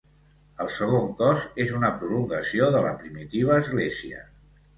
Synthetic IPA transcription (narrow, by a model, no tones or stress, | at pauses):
əlˠsəɣ̞oŋkɔzezunəpɾuluŋɡəsioðələ̰pɾimit̪iβ̞əːzɣleziə̰